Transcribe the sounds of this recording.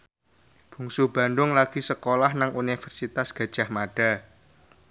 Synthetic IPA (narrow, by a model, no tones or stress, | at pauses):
b̥ṳŋsub̥ä̤ndʊŋlaɡ̥i̤səkolahnaŋunifɛrsit̪asɡ̥ä̤d̥ʒ̥a̤hmaɖ̥a̤